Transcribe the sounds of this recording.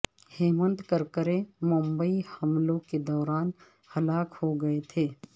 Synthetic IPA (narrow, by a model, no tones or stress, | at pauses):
heːmə̃nt̪kəɾkəɾẽmʊ̃mbəihɐmlõked̪ɔːɾaːn | hɐlaːkhoɡɐet̪ʰeː